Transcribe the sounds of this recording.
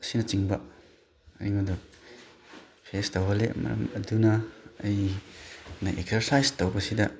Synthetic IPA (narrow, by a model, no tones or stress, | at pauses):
sinɐt͡ʃiŋbɐ | ɐjŋodɔ | pʰestɐwɦɐlḛmɐ̰ɾɐ̰mɐdunɐːj | nɐʔek̚sɐɾsajstɐwbɐsidɐ